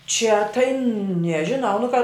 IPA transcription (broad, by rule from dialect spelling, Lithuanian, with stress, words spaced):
t͡ʃʲɛ tɐɪ nʲɛʒʲɪˈnɐʊ nʊ kɐ